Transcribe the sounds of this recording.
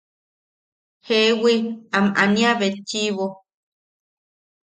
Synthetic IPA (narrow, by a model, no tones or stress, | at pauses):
hewiamʔa̰nĩaβet͡ʃiβo